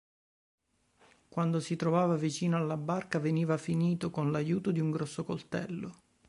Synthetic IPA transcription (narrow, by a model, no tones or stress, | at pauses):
kwand̪osit̪ɾovaːvavit͡ʃiːnoalːabarkaveniːvafiniːt̪okonlajuːt̪od̪iuŋɡɾɔsːokolt̪ɛ̰lːo